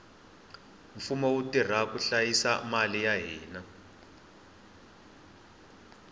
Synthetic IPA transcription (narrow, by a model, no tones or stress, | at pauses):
ɱfumɔwutir̤akuɬajisamalijaɦiːna